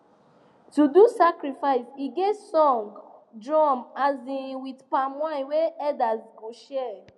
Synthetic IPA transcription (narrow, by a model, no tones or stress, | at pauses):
tudusakɾifaɪsiɡesɔ̃ŋɡdɹɔ̃mazĩwidpamãjweɛdazɡõʃɛ